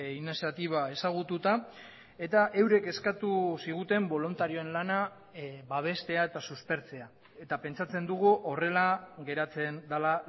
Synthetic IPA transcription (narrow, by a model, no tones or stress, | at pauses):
inesat̪iβ̞ae̞saɣ̞ut̪ut̪a | e̞t̪aʔe̞wɾe̞ke̞skat̪usiɣ̞ut̪e̞mbo̞lunt̪aɾio̞e̞nlana | βaβ̞e̞st̪e̞ae̞t̪asuspe̞ɾt͡se̞a | e̞t̪ape̞nt͡sat͡se̞nd̪uɣ̞uʔo̞re̞laɣe̞ɾat͡se̞nd̪ala